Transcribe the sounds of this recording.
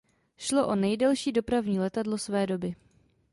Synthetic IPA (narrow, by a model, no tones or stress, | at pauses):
ʃlo̞ʔo̞nɛjdɛlʃiːdo̞pɾavɲiːlɛt̪adlo̞svɛːdo̞bɪ